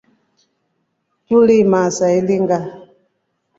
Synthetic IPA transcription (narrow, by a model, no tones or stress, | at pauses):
tulimasailiŋɡa